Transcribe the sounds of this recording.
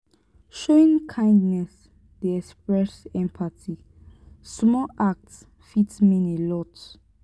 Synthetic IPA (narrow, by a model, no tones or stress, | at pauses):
ʃoĩŋkʰãj̃ndnɛs | deɛkspɹɛsɛ̃mpʰatʰi | smɔʔak̚ts | fitsmĩnelɔt